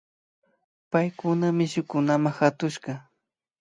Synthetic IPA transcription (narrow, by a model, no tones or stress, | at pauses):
pajkʊnamɪʃʊkʊnamaxat̪ʊʃɢɑ